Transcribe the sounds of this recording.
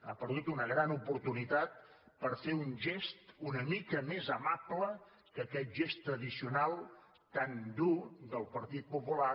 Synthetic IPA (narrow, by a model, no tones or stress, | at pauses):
a̰pəɾðut̪unəɣɾanupuɾt̪unit̪at̪̚ | pəɾfeunʒest̪unəmikəmezəmablə | kəkɛt̪̚ʒest̪ːɾəðisiunalˠ | t̪and̪ud̪əlˠpəɾt̪it̪̚pupula